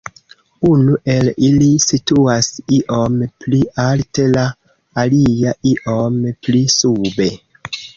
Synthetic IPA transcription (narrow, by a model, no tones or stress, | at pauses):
unuʔe̞lilisituasiʔo̞mpliʔalte̞laː | liaiʔomplisube̞